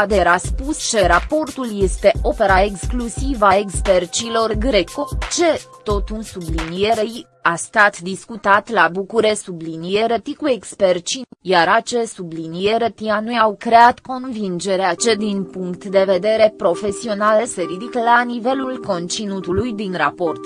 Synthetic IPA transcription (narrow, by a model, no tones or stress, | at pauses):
ad̪eɾaspust͡ʃeɾapo̞rt̪ulje̞st̪e̞ʔo̞pe̞ɾaeksklusivaekspert͡ʃilo̞rɡɾe̞kot͡ʃe̞t̪o̞t̪unsublinie̞ɾej | ast̪at̪d̪iskut̪at̪labukuɾe̞sublinije̞ɾet̪ikuekspert͡ʃijaɾat͡ʃesublinije̞ɾet̪ianujawkɾe̞at̪ko̞nvind͡ʒe̞ɾeat͡ʃe̞d̪inpuŋkt̪d̪e̞ve̞d̪e̞ɾe̞pɾo̞fe̞sio̞nalese̞ɾid̪ikəlanive̞lulko̞nt͡ʃinut̪ulujd̪inɾapo̞rt̪